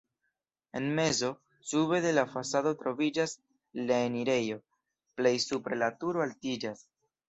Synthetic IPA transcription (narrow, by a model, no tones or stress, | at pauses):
e̞nme̞zo̞ | sube̞de̞lafasado̞tɾo̞vid͡ʒas | laeniɾe̞jo̞ | ple̞jsupɾe̞latuɾoaltid͡ʒas